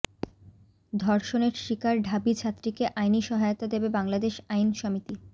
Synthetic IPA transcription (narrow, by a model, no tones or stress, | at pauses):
d̪ʱɔɾʃoneɾʃikaɾɖʱabit͡ɕʰat̪ːɾikeʔajniʃɔɦaeot̪ad̪ebebaŋlad̪eʃajnʃɔmit̪i